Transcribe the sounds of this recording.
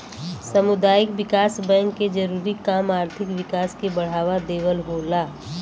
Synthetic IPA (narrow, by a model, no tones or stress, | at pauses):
sɐmʊd̪aːjɪkʋɪkaːsbɛ̃ːŋkːed͡ʒɐɾuːɾikaːmaːɾt̪ʰɪkʋɪkaːskebɐɽ̤aːʋad̪eːwəlɦoːlaː